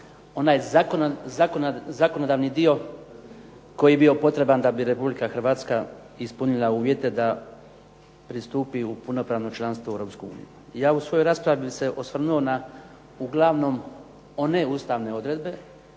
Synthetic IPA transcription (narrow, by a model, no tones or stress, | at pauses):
o̞naːjkzakozako̞no̞d̪aːʋnid̪io̞ | ko̞jijebio̞po̞t̪ɾe̞band̪abiɾe̞publikaxr̩ʋaːt̪ska | ispunilˠauːʋje̞t̪e̞d̪a | pɾist̪uːpiupunopɾaːʋno̞t͡ʃlˠanst̪ʋoeʋɾo̞ːpskuṵːnḭjujaːusʋo̞jo̞jɾaːspɾaʋise̞ʔo̞sʋr̩nuo̞na | uɡlˠaʋno̞m | o̞ne̞uːst̪aʋne̞o̞d̪ɾe̞d̪be̞